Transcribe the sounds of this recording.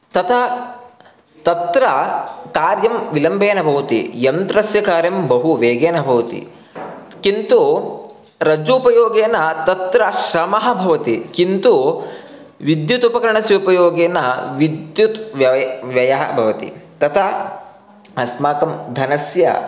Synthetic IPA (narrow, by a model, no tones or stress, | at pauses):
t̪ɐt̪ʰɐ | t̪ɐt̪ɾɐkaːɾjɐmʋilɐmbʱeːnɐbʱɐʋɐt̪ḭjɐnt̪ɾɐsjɐkaːɾjɐmbɐɦuʋeːɡeːnɐbʱɐʋɐt̪ḭ | kint̪u | ɾɐd͡ʒuːpɐjoːɡeːnɐt̪ɐt̪ɾɐʃɾɐmɐɦɐ̆bʱɐʋɐt̪ikint̪u | ʋid̪jut̪upɐkɐɾɐɳɐsjɐupɐjoːɡeːnɐʋid̪jut̪ʋɐʋjɐjɐɦɐ̰bʱɐʋɐt̪ḭt̪ɐt̪ʰɐ | ɦɐsmaːkɐmd̪ʱɐnɐsjɐ̰